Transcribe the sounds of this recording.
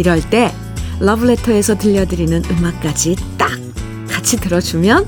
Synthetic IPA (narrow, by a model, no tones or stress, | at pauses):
iɾʌɭt͈e̞ | lʌbɯɭe̞tʰʌe̞sʰʌtɯʎːʌdɯɾinɯnɯmak̚k͈ad͡ʑit͈ak̚ | k͈ːat͡ɕʰitɯɾʌd͡ʑumjʌn